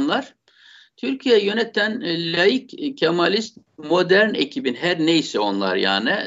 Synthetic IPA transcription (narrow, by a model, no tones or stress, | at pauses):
nlˠaɾ̥ | t̪ʰyɾcʰijɛjø̞nɛt̪ʰːænlʲajiccʰːamalʲist̪̚mo̞d̪æɾnḛcʰibinɦæɾnejisɛo̞nlˠa̰ɾja̰ːnɪ